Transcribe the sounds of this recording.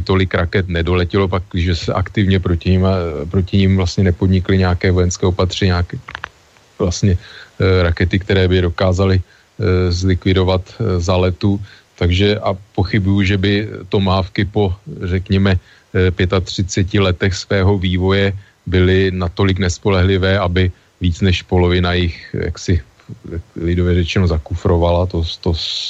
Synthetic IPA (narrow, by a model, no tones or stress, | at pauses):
t̪o̞lɪkɾakɛt̪nɛdo̞lɛcɛlo̞pakʒɛsɛʔa̰kt̪ɪvɲɛpɾocɪmpɾo̞cɪɲɪmvlast̪ɲɛnɛpo̞dɲɪklɪɲɛakɛːvo̞jɛnskɛːopat̪r̝̥ɛɲɲakɛ | vlast̪ɲɛɾakɛt̪ɪkt̪ɛɾɛːbɪdo̞kaːzalɪ | zlɪkvɪdo̞vat̪zalɛt̪u | t̪aɡʒɛʔapo̞xɪbujuʒɛbɪt̪o̞maːfkɪpo̞rɛkɲɛmɛ | pjɛt̪at̪r̝̥ɪt͡sɛcɪlɛt̪ɛxsvɛːɦo̞viːvo̞jɛ | bɪlɪnat̪o̞lɪk̬nɛspo̞lɛɦlɪvɛːabɪ | viːt͡snɛʃpo̞lo̞vɪnajɪxja̰ksɪ | lɪdovɛɾɛt͡ʃɛnozakufɾo̞valat̪ot̪os